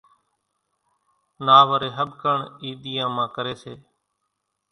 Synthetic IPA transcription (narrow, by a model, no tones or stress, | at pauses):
naːʋəɾeːɦəɓkəɳiːɗ̪ɪjãːmãːkəɾeːseː